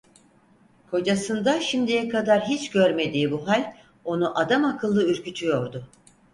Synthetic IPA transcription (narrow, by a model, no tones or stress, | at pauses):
kʰo̞d͡ʒasɯnd̪aʃimd̪ijɛkʰad̪aɾɦit͡ʃɟøɾme̞d̪iːbuɦalʲ | o̞nuʔad̪amakʰɯlˠːɯyɾcyt̪ʰyjo̞ɾd̪ʊ